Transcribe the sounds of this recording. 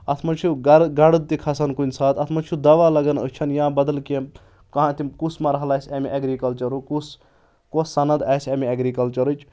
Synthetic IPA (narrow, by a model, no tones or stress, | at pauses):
ɐt̪ʰmɐnt͡ʃʰuɡɐɡɐɽɨd̪̚t̪ikʰɐsɐnkunʲsaːt̪ʰɐt̪ʰmɐt͡ʃʰud̪ɐʋalɐɡɐnə̰t͡ʃʰɐnjãbɐd̪ɐlkem | kɐɦãt̪ikusmɐɾɐɦɐlaːsʲɐmiʔeɡɾikɐlt͡ʃɐɾukus | kosːɐnɐd̪aːsʲɐmiɐɡɾikɐlt͡ʃɐɾɨt͡ʃʰ